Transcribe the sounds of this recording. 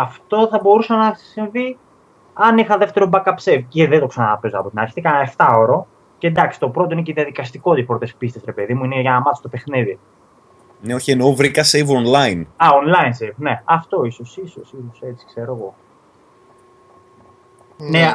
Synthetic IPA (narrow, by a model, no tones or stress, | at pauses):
ɐft̪o̞θɐbo̞ɾusɐnɐsiɱvi | ɐnixɐðeft̪e̞ɾobɐkɐpsevceðet̪oksɐnɐnɐpe̞zoɐ̰po̞t̪inɐɾçi̥θikɐnɐe̞ft̪ɐo̞ɾo̞ | cend̪ɐksi̥t̪opɾot̪o̞ineceðiɐðikɐst̪iko̞t̪ipɾot̪e̞spist̪esɾe̞pe̞ðimuineʝɐnɐmɐθst̪pe̞xniði | neoçienovɾikɐsevonlɐjinɐonlɐinsevne̞ɐft̪o̞iso̞sisosisoset͡si̥kse̞ɾoɣo̞ | ne